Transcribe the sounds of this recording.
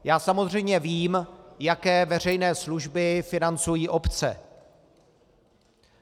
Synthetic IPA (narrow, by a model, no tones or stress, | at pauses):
jaːsamozr̝ɛjmɲɛviːmjakɛːvɛr̝ɛjnɛːsluʒbɪfɪnant͡sujiːʔo̞pt͡sɛ̰